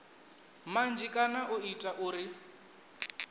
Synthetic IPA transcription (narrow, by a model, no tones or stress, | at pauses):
mand͡ʒikʼanaʔʊitʼaʔʊːɾɪ